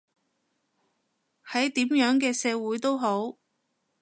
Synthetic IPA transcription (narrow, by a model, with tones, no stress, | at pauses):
hɐ˨˥jt̪iː˨˥mjœː˨˥ŋkɛː˧sɛː˨˧wuː˨˥jt̪o˥wɦo˨˥w